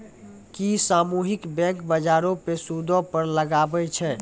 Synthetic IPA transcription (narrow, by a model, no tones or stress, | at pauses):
kisamuɦikbɛ̃ŋkbəd͡ʒaɾopesud̪ʱɔpəɾləɡabɛt͡ʃʰɛ